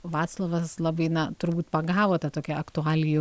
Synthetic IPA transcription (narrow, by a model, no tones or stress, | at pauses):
ʋɑːt̪slˠoːʋɐslˠɑbɐɪnɐt̪ʊɾbuːt̪pɐɡɑːʋoːt̪ɐt̪oːkʲɛʔɐkt̪ʊɑːlʲɪju